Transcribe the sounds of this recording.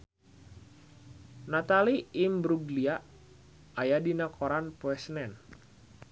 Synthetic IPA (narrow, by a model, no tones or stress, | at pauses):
nat̪aliːmbɾuɡlia | ajadinakʰɔɾanpoɛsnɛn